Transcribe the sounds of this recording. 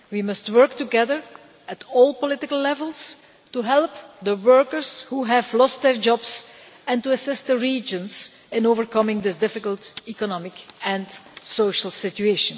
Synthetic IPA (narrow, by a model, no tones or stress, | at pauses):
wimʌstwɜ˞k̚tuɡɛðəɹ | ətʰɔːlˠpɔlɪtɪkəlˠlɛvəlˠs | tuɦɛlˠpd̪əwɜɹkəɹshuɦævlɔst̚d̪ɛɹd͡ʒɔbs | ɛ̃ntuəsɪst̚d̪əɹiːd͡ʒə̃nz | ɪ̃noːvəɹkʌmɪ̃ŋd̪ɪsdɪfɪkəlˠtikɔnɔmɪkɛ̃nsoʃəlˠsɪtueʃə̃n